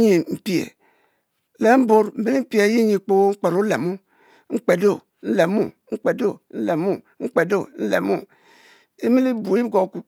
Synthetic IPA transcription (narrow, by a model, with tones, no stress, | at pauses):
ɲi˨m̩˨pi˨ḛ˨ | le˨˦m̩˦bo˦ɾm̩˨˦bi˦li˦m̩˦pi˦e˨˦ji˦ɲi˨k͡po˦ŋ͡m̩˦k͡pe˨ɾo˦le˨mu˦ | ŋ͡m̩˦k͡pe˨do˦˨ | n̩˦le˨mu˦ŋ͡m̩˦k͡pe˨do˦˨n̩˦le˨mu˦ŋ͡m̩˦k͡pe˨do˦˨n̩˦lḛ˨mu˦ | e˦mi˦li˦bu˨i˦ɡo˨ku˨